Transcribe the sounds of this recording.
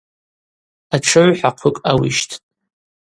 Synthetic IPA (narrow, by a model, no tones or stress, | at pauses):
aʈ͡ʂʰɨʕʷħaqʷʰʊkʼawḭʃtʰtʼ